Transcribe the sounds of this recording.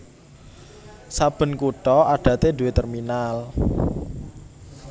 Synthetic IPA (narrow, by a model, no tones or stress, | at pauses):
sab̥ə̤nkuʈɔʔaɖ̥ä̤t̪ed̪ṳwet̪ərminal